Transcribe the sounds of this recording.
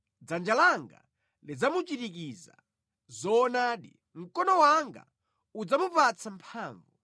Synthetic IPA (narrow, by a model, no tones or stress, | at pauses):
d͡zand͡ʒalaŋɡa̰ | lid͡zamut͡ʃitik̬iːza̰ | zɔnaːɗḭ | m̩kɔnɔwaŋɡa̰ | ud͡zamupat͡sʰampʰaːɱvu